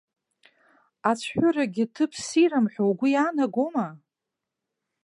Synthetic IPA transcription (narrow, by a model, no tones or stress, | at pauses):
at͡sʷʰħʷᶣʊɾaɡʲɪtʰɨpʰsiɾamħʷᶣowɡʷʊjaːnaɡʷoma